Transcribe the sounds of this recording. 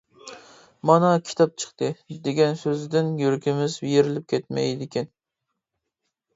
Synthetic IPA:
mɑnɑkʲʰi̥t̪ʰɑp̚t͡ʃʰə̥χt̪ʰɨd̪eɡʲɛnsøzɪd̪ɪnjøɾkʲʰɪmɪzbijeɾɪlɪp̚kʲʰɛt̪mɛ̰jd̪ɪkʲɛn

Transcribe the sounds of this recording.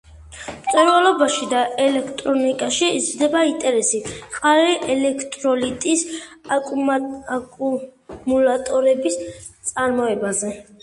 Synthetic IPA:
mt̪sʼuɾwalɔbaʃid̪aɛlɛkʰt̪ʼɾɔnikʼaʃizɾd̪ɛbaint̪ʼɛɾɛsiqʼaliʔɛlɛkʰt̪ʼɾɔlit̪ʼisʼ | kʼumulat̪ʼɔɾɛbist̪sʼaɾmɔɛbazɛ

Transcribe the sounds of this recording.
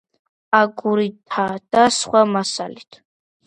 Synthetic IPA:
aɡuɾit̪ʰad̪̥asχwamasa̰lit̪ʰ

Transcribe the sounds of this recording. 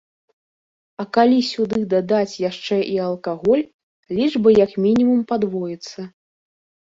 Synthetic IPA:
ɐkalʲisʲud̪ɨd̪ad̪at͡sʲjaʂt͡ʂɛʔiɐlˠkaɣɔlʲ | lʲiʐbɨjɐkmʲinʲimumpad̪vɔjit̪sːɐ

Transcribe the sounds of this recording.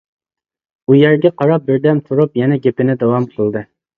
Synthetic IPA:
ujæɾɡʲɛqʰɑɾɑp̚bɪɾd̪ɛmt̪ʰuɾupjɛnɛɡʲepɪnɪd̪ɑwɑmqʰəlˠd̪ɨ

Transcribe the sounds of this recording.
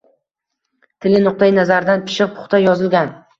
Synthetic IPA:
t̪ʰɪlɪnʊq̚t̪ajɪnazaɾd̪anpʰɪ̥ʃɪq̚pʰʊ̥χt̪ʰajɒzɪlɡʲan

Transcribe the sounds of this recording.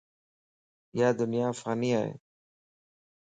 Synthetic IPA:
jad̪ʊnjaːfɣaːniaḛ

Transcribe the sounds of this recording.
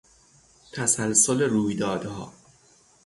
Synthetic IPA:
t̪ʰæsælsoleɾuːjd̪ɒːd̪hɒ̰ː

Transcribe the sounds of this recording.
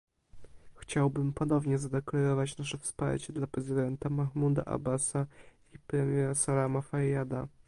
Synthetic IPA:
xt͡ɕawbɘmpɔnɔvɲɛzad̪ɛklaɾɔvat͡ɕnaʂɛfspa̰ɾt͡ɕɛd̪lapɾɛzɘd̪ɛnt̪amaxmud̪a̰ʔa̰basa | ipɾɛmʲjɛɾasalamafajad̪a

